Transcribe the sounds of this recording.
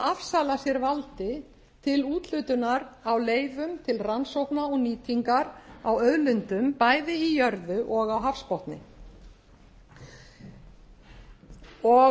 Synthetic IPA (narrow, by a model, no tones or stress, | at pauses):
afsaːlasjɛɾvalt̪ɪ | t̪ʰɪluːt̪lʏːt̪ʏnaɾawleːjvʏmt̪ʰɪlransowhpnaɔɣniːt̪ʰiŋkaɾawœðlʏnt̪ʏmpaːjðɪijœɾðʏʔɔɣawɦafspɔwht̪nɪ̰ | ɔ